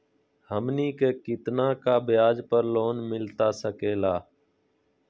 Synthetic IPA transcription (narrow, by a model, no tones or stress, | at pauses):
həmniːkeːkɪt̪nãːkaːbɪjaːd͡ʒpəɾloːnmɪlt̪aːsəkeːlaː